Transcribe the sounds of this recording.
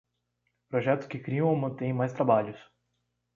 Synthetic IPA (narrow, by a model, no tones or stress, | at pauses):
pɾoʒɛt̪ʊskɪkɾiɐ̃w̃omɐ̃t̪ẽj̃majst̪ɾabaʎʊs